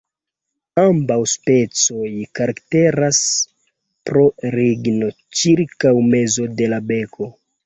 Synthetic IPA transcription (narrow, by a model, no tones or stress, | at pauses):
ambawspe̞t͡so̞jkaɾakte̞ɾas | pɾo̞ɾiɡno̞ | t͡ʃiɾkawme̞zo̞de̞labe̞kʰo̞